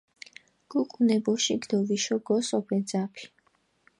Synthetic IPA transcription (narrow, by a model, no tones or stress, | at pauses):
ɡ̥uqʼunɛbɔʃiɡd̪ɔviʃɔɡɔsɔpʰɛd̪zapʰi̥